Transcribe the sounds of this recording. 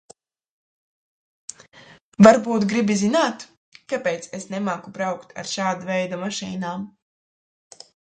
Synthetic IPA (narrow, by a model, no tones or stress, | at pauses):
vaɾbuːt̪ɡɾibizinaːt̪ | kapeːt̪sesnemaːkubɾawkt̪a̰ɾʃaːd̪avɛjd̪amaʃḭːnaːm